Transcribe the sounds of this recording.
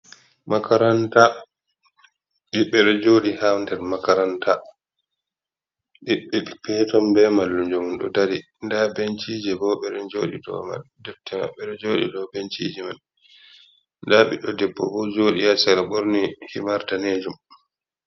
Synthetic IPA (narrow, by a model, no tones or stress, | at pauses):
makaɾanta | ɗiɓːɛɗɔd͡ʒoɗihamndɛɾmakaɾanta | ɗiɓːɛɓipɛtɔmbɛmalːund͡ʒumunɗɔ̰daɾi | ndabent͡ʃiːd͡ʒɛbɔɓɛɗɔnd͡ʒoːɗidɔ̰ma̰ldɛftːɛma̰ɓɛɗɔd͡ʒoːɗḭdɔbent͡ʃid͡ʒɛmal | ndaːɓḭɗɔdɛbːɔ̰bɔd͡ʒoːɗijasaɾaɓoɾnihimaɾtaneːd͡ʒum